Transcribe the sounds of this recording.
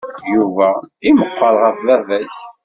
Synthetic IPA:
juvæiməqːɑɾʁəflævæç

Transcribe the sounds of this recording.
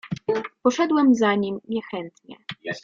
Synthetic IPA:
pɔʂɛd̪wɛmzaɲimɲɛxɛnt̪ɲɛ̰

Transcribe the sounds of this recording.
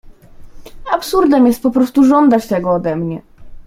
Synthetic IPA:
apsuɾd̪ɛmjɛst̪̚pɔpɾɔst̪uʐɔnd̪at͡ɕt̪ɛɡɔːd̪ɛmɲɛ

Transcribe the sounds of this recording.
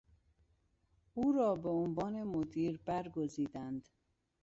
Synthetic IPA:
uːɾɒːbeonvɒːne̞mod̪iːɾbæɾɡoziːd̪ænd̪

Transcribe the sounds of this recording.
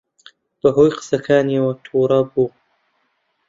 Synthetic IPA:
b̥ɐɦoːjqɨ̥sɐkʰaːniɐwɐt̪ʰuːɾɐbuː

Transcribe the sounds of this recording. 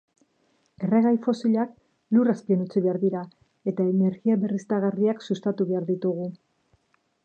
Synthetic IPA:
e̞re̞ɣ̞ajfo̞siʎak̚ | luraspienut͡siβe̞aɾðiɾa | e̞t̪aene̞ɾɣiaβe̞rist̪aɣariaksust̪at̪uβe̞aɾðit̪uɣ̞u

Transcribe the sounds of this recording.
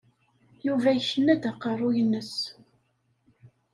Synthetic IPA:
juvæçənːæd̪æqːərˤːʊjənːəs

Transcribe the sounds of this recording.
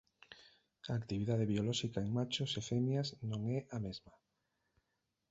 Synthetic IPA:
aːkt̪iβiðaðeβiolɔʃikaeŋmat͡ʃosefɛmjaznõŋɛʔamezma

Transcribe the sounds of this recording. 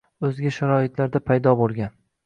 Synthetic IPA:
ɵzɡʲaʃaɾɒɪt̪laɾd̪apʰajd̪ɒbolˠɡʲan

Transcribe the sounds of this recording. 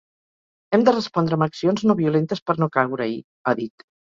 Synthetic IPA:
ɛmd̪ərəspɔnd̪ɾəːməksionznoβiulent̪əspəɾnokawɾəi | aðit̪

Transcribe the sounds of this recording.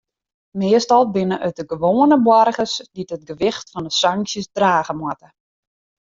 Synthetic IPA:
mɪəstɔlˠbɪnəʔœt̚dəɡəʋoːənəbwɔrɣəsdidət̚ɡəʋɪxtfɔndəsaŋksjəsdraːɣəmwɔtə

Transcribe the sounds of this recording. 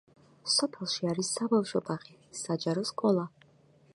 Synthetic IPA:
sɔpʰɛlˠʃiaɾisːabafʃɔpʼaχisad͡ʒaɾɔskʼɔlˠa

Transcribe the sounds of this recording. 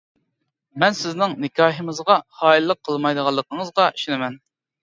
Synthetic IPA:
mɛnsɪznɪŋnɪkʲʰɑːɦɨmɨzʁɑχɑːilˠːəqʰːəlˠmɑjd̪əʁɑlˠːəqʰəŋəzʁɑiʃinɪmɛn

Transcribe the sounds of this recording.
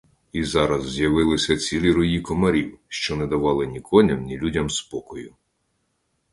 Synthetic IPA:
izɑɾɐzːjɐʋɪlˠɪsʲɐt͡sʲilʲiɾʊjikɔmɐɾʲiwʃt͡ʃɔnɛd̪ɐʋɑlˠɪnʲikʰɔnʲɐmnʲilʲudʲɐmspɔkɔjʊ

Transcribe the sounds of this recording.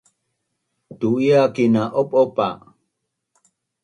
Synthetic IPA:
t̪uiakinaʔopopa̰

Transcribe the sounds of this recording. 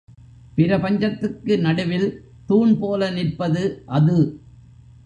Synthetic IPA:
pɪɾɐpɐɲd͡ʒɐt̪ːɯkːɯnɐɽɯʋɪl | t̪uːɳpoːlɐnɪrpɐðɯʔɐðɯ

